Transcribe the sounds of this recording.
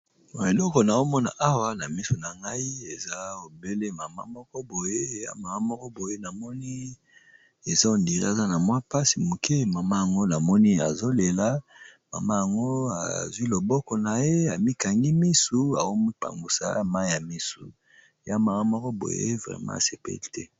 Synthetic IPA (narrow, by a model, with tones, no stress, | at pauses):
bo˨e˨lɔ˦kɔ˨na˨o˦mɔ˦na̰˨ʔa˦wa˦na˨mi˦su˨na˨ŋɡa˦i˦e˨za˦o˨be˦le˦ma˨ma̰˦mɔ˦kɔ˦bo˨je˦˨ja̰˦ma˨a˦mɔ˦kɔ˦bo˨je˦na˨mɔ˦ni˦ | e˨za˦o˨ndi˨ʁa˨za˦na˨mwa˦pa˦si˨mu˨ke˦ma˨ma˦ja˨ŋɡo˦na˨mɔ˦ni˦a̰˨zo˦le˨la˦ma̰˨ma˦ja˨ŋɡo˦a̰˨zwi˦lo˨bɔ˦kɔ˨na˨je˦a˨mi˦ka˨ŋɡi˦mi˦su˦a˨o˦mi˦pa̰˨ŋɡu˨sa̰˦ma˦i˦ja˨mi˦sṵ˨ | ja˦ma˨ŋa˦mɔ˦kɔ˦bo̰˨jḛ˦vʁɛ̰˨mã̰˦˨se˨pḛ˦li˦tʰɛ˦